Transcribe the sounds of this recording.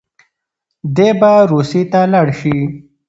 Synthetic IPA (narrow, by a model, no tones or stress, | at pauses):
d̪ebaɾusit̪alaɽʃi